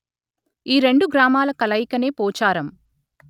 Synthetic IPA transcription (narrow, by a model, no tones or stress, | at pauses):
iːɾe̞ɳɖuɡɾaːmaːlɐkɐlɐjkɐne̞ːpoːt͡ʃaːɾɐm